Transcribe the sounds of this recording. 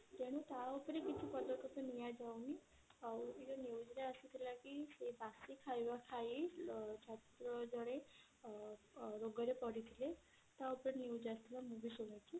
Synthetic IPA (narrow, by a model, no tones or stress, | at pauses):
d͡ʒ̪eɽ̃ut̪aupɾekit͡ʃʰupɔd̪ɔk̪ʰɔkɔnijad͡ʒawni | ɔkid͡ʒoneud͡ʒɾeasit̪ʰilakisebasikʰajʋakʰait͡ʃʰatt̪ɾɔd͡ʒɔɽ̃e | ɾoɡɔɾepɔɽit̪ʰile | t̪aupɾeneud͡ʒast̪ʰilamubisuʋat͡ʃʰi